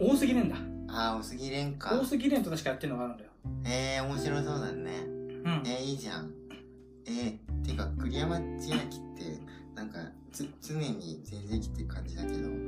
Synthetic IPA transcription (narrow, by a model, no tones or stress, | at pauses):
oːsɨɡʲiɾẽ̞nd̪aaoːsɨɡʲiɾẽ̞ŋkaoːsɨɡʲiɾent̪o̞t̪aɕi̥kajat̪ːeiɯnoɡaɾɯ̟̃nd̪ajoeːo̞mo̞ɕiɾo̞iso̞ːd̪anḛɯ̃eiːʑãŋ | et̪eɯ̟kakɯ̟ɾʲijamat͡ɕinakʲi̥t̪ːe̞̰nãŋka̰ | t͡sɨt͡sɨne̞ɲ̟izezeikʲi̥t̪ːeɯ̟kʰãɲ̟d͡ʑid̪ake̞d̪o̞̰